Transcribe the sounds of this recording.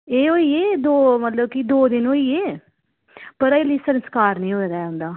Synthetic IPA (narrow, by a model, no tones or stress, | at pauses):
eːɦoːiːeːd̪oːmət̪ləbkɪd̪oːd̪ɪnoːiːeː | pəɾəliːsənskaːɾnĩːoːɾaːɦʊ̃nd̪aː